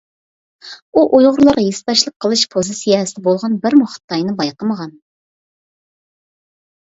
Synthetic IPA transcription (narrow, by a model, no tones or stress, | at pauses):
uʔojʁʊɾlˠɑɾʁɑjest̪ɑʃlˠəqʰːəlˠɨʃpʰozɨsijɑɦɛsɪd̪ɛbolˠʁɑnbɪɾmuχə̥t̪ːɑjnɨbɑjqəməʁɑn